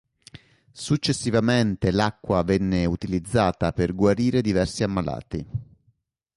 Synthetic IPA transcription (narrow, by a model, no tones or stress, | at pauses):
sut͡ʃːesːivament̪elakːwavɛnːeut̪ilid̪zːaːt̪aperɡwaɾiːɾed̪ivɛrsiamːala̰ːt̪i